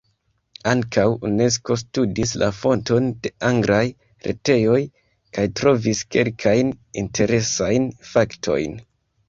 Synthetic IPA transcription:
aŋkʰawune̞s̬ko̞s̬tudislʔafo̞nto̞nde̞aŋɡɾaj | ɾe̞̰te̞jo̞j | kajtɾo̞viske̞̰lkʰajnintʰe̞ɾe̞sajnfaktʰo̞̰jn

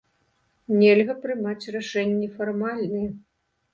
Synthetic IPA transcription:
nʲelʲɣɐpɾɨmat͡sʲraʂɛnʲːɛfarmalʲnɨɛ

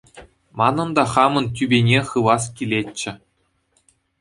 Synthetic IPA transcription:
mɑnɤ̆nd̪ɑχɑmɤ̆ntʲybʲenʲeχɯʋɑskʲilʲetʲt͡ɕːɘ̆

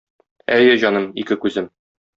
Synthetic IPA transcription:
æjɘʑɒnɤmikɘkʉzɘm

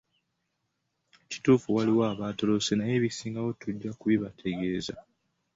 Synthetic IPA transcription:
ci̥tuːfuwaliwaːβaːto̞lo̞se̞naje̞βisiːŋɡawo̞tuɟːakuβiβatʰe̞ɡe̞ːza̰

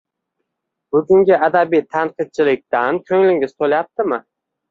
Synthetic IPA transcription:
b̥ʊɡʲʊŋɡʲɪad̪abijt̪ʰanqɨt̪̚t͡ʃʰɪlɪk̚ʲt̪ankʲʰɵŋlɪŋʲɪz̥t̪ʰolajap̚t̪ɪmɪ

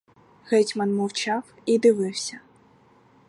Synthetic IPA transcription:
ɣɛtʲmɐnmɔwt͡ʃɑw | id̪ɪʋɪwsʲɐ

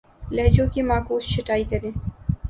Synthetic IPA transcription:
lɐɦd͡ʑõːkimaːkuːst͡ʃʰɐʈaːikɐɾẽː

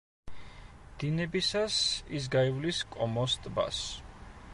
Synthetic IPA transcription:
d̪̥inɛbisasis̬ɡaivliskʼɔmɔst̪ʼba̰s

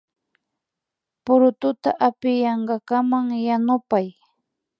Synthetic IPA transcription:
pʊɾʊt̪ʊt̪a̰ʔapɪjɑɴɢɑkamaŋjanʊpaj

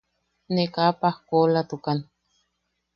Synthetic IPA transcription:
nekapahkolat̪ukan

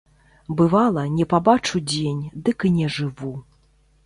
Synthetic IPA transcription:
bɨvalˠɐnʲɛpabat͡ʂud͡zʲenʲd̪ɨkɨnʲɛʐɨvu

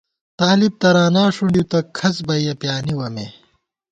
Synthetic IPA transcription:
t̪aːlib̚t̪ɐɾaːnaːʂuɳɖit̪ɐkʰɐsbɐjɐpjaːniwɐme

